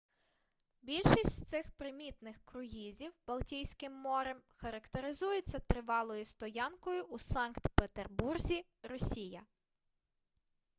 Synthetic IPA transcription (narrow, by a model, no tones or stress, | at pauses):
bʲilʲʃisʲtʲt̪sɪxpɾɪmʲit̪nɪxkɾʊɦizʲiwb̥ɐlˠtʲijsʲkɪmːɔɾɛmxɐɾɐkt̪eɾɪzujet͡sʲːɐt̪ɾɪʋɑlˠɔjʊst̪ɔjɑnkɔjʊusɑnkt̪pet̪erburzʲi | ɾɔsʲijɐ